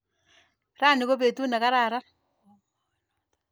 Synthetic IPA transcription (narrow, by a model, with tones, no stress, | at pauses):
ɾa˦˨nɪ˨ɣo˦βe˨t̪u˦na˨ka˦ɾa˨ɾa˦